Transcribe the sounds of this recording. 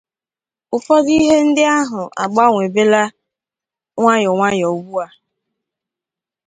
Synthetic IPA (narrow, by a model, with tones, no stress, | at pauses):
ʊ˨fɔ˦di˦ɦe˦n̩˦dɪ˦a˦ɦʊ˨ʔa̰˨ɡ͡ba˦ŋʷe˨be˦la˦ | ŋʷa˦ɲɔ˨ŋʷa˦ɲ˨o˨˦ɡ͡bu˦a˦